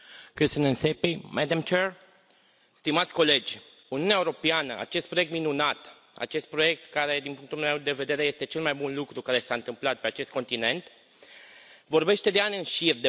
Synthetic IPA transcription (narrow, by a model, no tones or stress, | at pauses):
kɾisənənsepimad̪amt͡ʃer | st̪imat̪sʲko̞le̞d͡ʒʲ | uniuneaeuwɾo̞peanəa̰t͡ʃe̞st̪pɾojek̚t̪minunat̪ | a̰t͡ʃe̞st̪̚pɾo̞je̞k̚t̪kaɾe̞d̪inpuŋk̚t̪ulmewd̪e̞ve̞d̪e̞ɾe̞jest̪e̞t͡ʃe̞lmajbunlukɾukaɾe̞saɨnt̪ɨmplat̪̚pe̞at͡ʃe̞st̪ko̞nt̪ine̞nt̪ | vo̞rbe̞ʃt̪e̞d̪eanʲɨnʃird̪e